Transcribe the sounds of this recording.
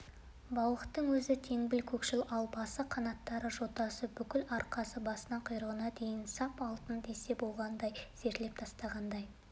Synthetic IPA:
bɑwəqə̥t̪ːəŋwɵzɪt̪ʰe̞ŋbɪlkʲʰɵkʃɪlɑlˠbɑsəqʰɑnɑt̪ːɑɾəʒo̞t̪ːɑsəbʏkʲɪlɑɾqɑsəbɑsənɑqʰʊjɾəʁənɑd̪e̞jɪnsɑpɑlˠt̪ənd̪e̞se̞bo̞lˠʁɑnd̪ɑjz̥e̞ɾt̪le̞p̚t̪ʰɑst̪ɑʁɑnd̪ɑj

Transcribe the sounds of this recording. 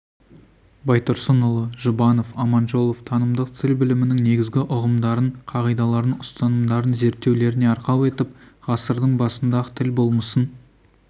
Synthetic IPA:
bɑjt̪oɾsənʊlˠəʒʊbɑno̞fɑmɑnʒo̞lˠoft̪ʰɑnəmd̪əq̚t̪ʰɪlbɪlɪmɪnɪŋne̞ɡʲɪzɡʲɪʔʊʁəmd̪ɑɾəɴqʰɑʁijd̪ɑlˠɑɾənʊst̪ɑnəmd̪ɑɾənze̞ɾt̪ːe̞wle̞ɾɪneɑɾqɑwe̞t̪ɪpʁɑsəɾd̪əɴbɑsənd̪ɑʁət̪ʰɪlbo̞lˠməsən

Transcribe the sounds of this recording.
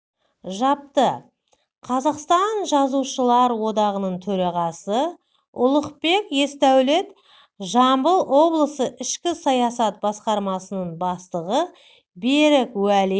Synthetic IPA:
ʒɑp̚t̪ə | qʰɑzɑqst̪ɑnʒɑzuʃəlˠɑɾwo̞d̪ɑʁənəɴt̪ʰɵɾɑʁɑsə | ʊlˠəqpe̞kje̞st̪æwle̞t̪ | ʒɑmbəlˠwo̞blˠəsəʔɪʃkʲɪsɑjɑsɑt̪̚bɑsqɑɾmɑsənəɴbɑst̪əʁə | beɾɪkwæle

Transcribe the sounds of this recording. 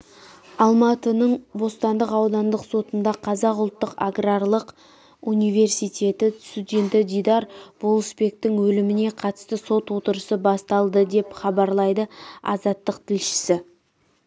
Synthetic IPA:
ɑlˠmɑt̪ənəɴbo̞st̪ɑnd̪əqɑwd̪ɑnd̪əqso̞t̪ənd̪ɑqʰɑzɑqʊlˠt̪ːəqa̰ɡrarlˠəq | unijve̞rsijt̪ʲe̞t̪ɪst̪ud̪ʲe̞nt̪ɪd̪ijd̪ɑɾb̥olˠəsbe̞k̚t̪ɪŋwɵlɪmɪne̞qʰɑt̪ə̥st̪əso̞t̪wo̞t̪əɾəsəbɑst̪ɑlˠd̪əd̪e̞pχɑbɑɾlˠɑjd̪əɑ̰zɑt̪ːəq̚t̪ʰɪlʃɪ̥sɪ

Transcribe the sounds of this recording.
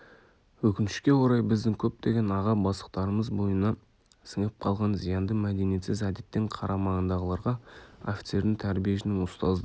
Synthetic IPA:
wɵkʲɪnʃɪ̥kʲe̞wo̞ɾɑjbɪzd̪ɪŋkʲʰɵp̚t̪e̞ɡʲe̞nɑʁɑbɑsə̥qt̪ɑɾəməzbo̞jənɑ | sɪŋəp̚qʰɑlˠʁɑnzijɑnd̪əmæd̪e̞nije̞t̪sɪzæd̪e̞t̪ːeɴqʰɑɾʔɑmɑʁənd̪ɑʁəlˠɑɾʁɑo̞fʲi̥t̪se̞ɾd̪ɪŋt̪ʰæɾbije̞sɪnɪŋʊst̪ɑzd̪ə

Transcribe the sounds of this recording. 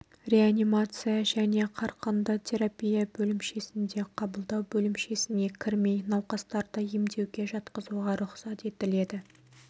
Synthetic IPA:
rʲe̞anʲimat̪sɨjaʒæne̞qʰɑɾqənd̪ət̪ʲʰe̞ɾapʲijabɵlɪmʃe̞sɪnd̪e̞qʰɑbəlˠd̪ɑwbɵlɪmʃe̞sɪne̞kʲʰɪɾme̞jnɑwqɑst̪ɑɾd̪ɑjemd̪e̞wɡʲe̞ʒɑt̪qəzuʁɑɾʊqsɑt̪e̞t̪ɪle̞d̪ɪ

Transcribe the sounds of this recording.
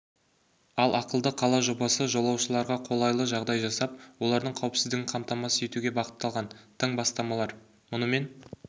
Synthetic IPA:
ɑlˠɑqəlˠd̪əqʰɑlˠɑʒobɑsəʒo̞lˠɑwʃəlˠɑɾʁɑqʰo̞lˠɑjlˠəʒɑʁd̪ɑjʒɑsɑp̚wo̞lˠɑɾd̪əɴqʰɑwpsɪzd̪ɪɡʲɪŋqʰɑmt̪ɑmɑsəje̞t̪uɡʲe̞bɑqə̥t̪ːɑlˠʁɑnt̪ʰəɴbɑst̪ɑmɑlˠɑɾ | mʊnəme̞n

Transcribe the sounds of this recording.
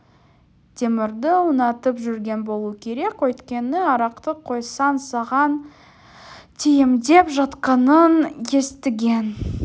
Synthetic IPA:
d̪̥ʰe̞mɪɾd̪ɪʊnɑt̪əpʒʏɾɡʲe̞nbo̞lˠuəkʲʰe̞ɾe̞kʲwɵjt̪kʲe̞nɪɑɾɑqt̪əqʰo̞jsɑnsɑʁɑn | t̪ʰijɪmd̪e̞pʒɑt̪qɑnənje̞st̪ɪɡʲe̞n

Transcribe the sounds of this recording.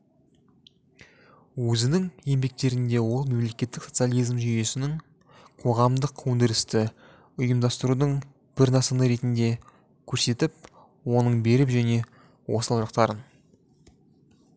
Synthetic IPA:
wɵzɪnɪŋje̞mbe̞k̚t̪e̞ɾɪnd̪e̞wo̞lˠme̞mle̞kʲe̞t̪ːɪkso̞t̪sjalˠijzmʒyje̞sɪnɪŋ | qʰo̞ʁɑmd̪əqʰːond̪ɪɾɪst̪ɪ | ʊjəmd̪ɑst̪əɾud̪əɴ | b̥ɪɾnɑsənəɾe̞t̪ɪnd̪e̞ | kʲʰɵɾse̞t̪ɪp̚ | wo̞nəɴbe̞ɾɪpʒæne̞ | wʔo̞̰səlˠʒɑq̚t̪ɑɾən

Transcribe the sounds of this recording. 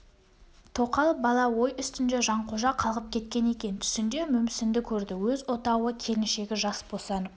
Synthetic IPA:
t̪ʰo̞qɑlˠbɑlˠɑwo̞jʏst̪ɪnd̪e̞ʒɑɴqʰo̞ʒɑqʰɑlˠʁəp̚kʲʰe̞t̪̚kʲe̞ne̞kʲe̞nt̪ʰʏ̥sɪnd̪e̞mʏmsɪnd̪ɪkʲʰɵɾd̪ɪwɵzwot̪ɑwəkʲʰe̞lɪnʃe̞ɡʲɪʒɑsbosɑn

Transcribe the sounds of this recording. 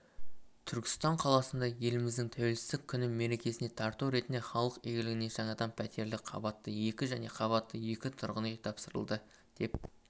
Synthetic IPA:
t̪ʰʏɾkʲɪ̥st̪ɑɴqʰɑlˠɑsənd̪ɑje̞lɪmɪzd̪ɪŋt̪ʰæwe̞lsɪ̥zd̪ɪkʲʰːʏnɪme̞ɾe̞kʲe̞sɪne̞t̪ʰɑɾt̪uwɾe̞t̪nd̪eχɑlˠəqeɡʲɪlɪɡʲɪne̞ʒɑɴɑd̪ɑmpʰæt̪ʰe̞ɾlɪkqʰɑ̰bɑt̪ːəje̞kʲɪʒæne̞qʰɑβɑt̪ːəje̞kʲɪt̪ʰʊ̰ɾʁənejt̪ʰɑpsəɾə̰lˠd̪ə | d̪̥e̞p̚

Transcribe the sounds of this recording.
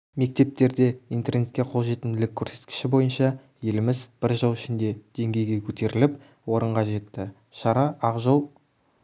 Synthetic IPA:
me̞k̚t̪e̞p̚t̪e̞ɾd̪e̞ijnt̪e̞rne̞t̪̚kʲeqʰo̞lˠʒe̞t̪ɪnd̪ɪlɪkʲʰːɵɾse̞t̪kʲɪ̥ʃɪbo̞jənʃɑ | je̞lɪmɪzb̥ɪɾʒəlˠɪʃɪnd̪e̞d̪̥e̞ŋɡʲe̞jɡʲe̞kʲʰɵt̪e̞ɾɪlɪp | wo̞ɾəɴʁɑʒe̞t̪ːɪ | ʃɑɾɑʔɑʁʒolˠ

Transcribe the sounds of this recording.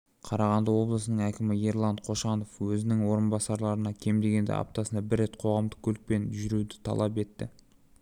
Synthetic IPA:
qʰɑɾɑʁɑnd̪əwo̞blˠəsənəɴækʲɪmɪjeɾlˠɑɴqʰo̞ʃɑno̞fwɵzɪnɪŋwo̞ɾənbɑsɑɾlˠɑɾənɑkʲʰe̞md̪e̞ɡʲe̞nd̪ḛʔɑ̰p̚t̪ɑsənɑbɪɾːe̞t̪qʰo̞ʁɑmd̪əkʲʰɵlɪk̚pe̞nʒʏɾud̪ɪt̪ʰɑ̰lˠɑpe̞t̪ːɪ̰

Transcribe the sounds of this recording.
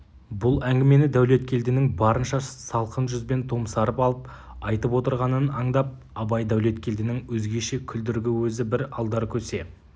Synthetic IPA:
bʊlˠæŋɡʲɪme̞nɪd̪æwle̞t̪kʲʰe̞ld̪ɪnɪŋbɑɾənʃɑsɑlˠqənʒʏzbe̞nt̪ʰo̞msɑɾəpɑlˠəp | ɑjt̪əpwo̞t̪əɾʁɑnənɑɴd̪ɑp̚ | ɑbɑjd̪æwle̞t̪̚kʲʰe̞ld̪ɪnɪŋwɵzɡʲe̞ʃe̞kʲʰʏld̪ɪɾɡʲɪwɵzɪbɪɾɑlˠd̪ɑɾkʲʰɵse̞

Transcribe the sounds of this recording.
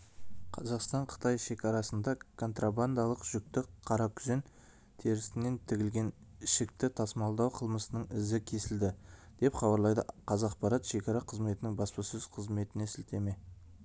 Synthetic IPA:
qʰɑzɑqst̪ɑɴqʰə̥t̪ɑjʃe̞kʲɑɾɑsənd̪ɑkʰo̞nt̪raband̪ɑlˠəqʒ̥ʏk̚t̪ɪkqʰɑɾɑkʲʰʏzɪn | t̪ʰe̞ɾɪst̪ɪne̞nt̪ʰɪɡʲɪlɡʲe̞n | ɪʃɪk̚t̪ɪt̪ʰɑsmɑlˠd̪ɑwqʰəlˠməsənəɴɪzɪkʲʰe̞sɪld̪ɪd̪̥e̞pχɑbɑɾlˠɑjd̪ə̰qʰɑzɑqpɑɾɑt̪ʃe̞kʲɑɾɑqʰəzme̞t̪ɪnɪŋbɑspɑsʏz̥qʰəzme̞t̪ɪne̞sɪlt̪e̞me̞

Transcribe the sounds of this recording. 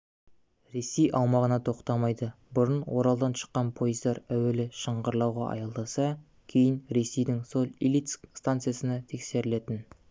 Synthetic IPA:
ɾe̞sejʔɑwmɑʁənɑt̪ʰo̞qt̪ɑmɑjd̪ə | bʊɾənwo̞ɾɑlˠd̪ɑnʃə̥qːɑnpʰo̞jəzd̪ɑɾæwe̞lɪʃəɴʁəɾlˠɑwʁɑ̰ʔɑ̰jɑlˠd̪ɑsɑ | kʲʰe̞jɪnɾe̞se̞jd̪ɪŋso̞lʲˠḭlit̪skst̪ant̪sɨjasənɑt̪ʰe̞kse̞ɾɪle̞t̪ɪn

